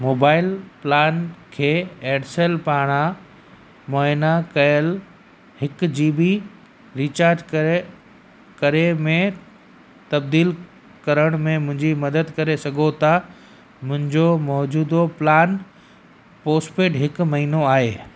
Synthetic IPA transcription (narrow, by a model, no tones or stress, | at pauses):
moːbaːɪlplaːnkʰeːeːɖseːlpaːɽ̃a | mɔːɪnakɐjəl | hɪkd͡ʑiːbɪ | ɾiːt͡ɕaːɾd͡ʑk | kɐɾemẽ | t̪ɐbd̪iːl | kɐɾəɽ̃mẽmʊ̃ɦɪ̃ɲd͡ʑimɐd̪əd̪kɐɾesɐɡʱot̪ʰa | mʊ̃ɦɪ̃ɲd͡ʑomɔːd͡ʑuːd̪oplaːn | poːspeːʈɦɪkʊ̆mɐɦiːnoaːɦeː